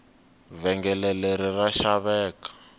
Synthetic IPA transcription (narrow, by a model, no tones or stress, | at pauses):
vɛŋɡɛlɛleɾiraʃaβɛːkḁ